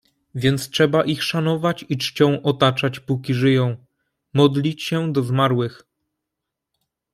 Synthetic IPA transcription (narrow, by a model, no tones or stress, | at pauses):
vʲjɛnt̪stʂɛbaʔixʂanɔvat͡ɕit͡ʂt͡ɕɔ̃w̃ʔɔt̪at͡ʂat͡ɕpukʲiʐɘjɔ̃w̃ | mɔd̪lʲit͡ɕɕɛd̪ɔzmaɾwɘx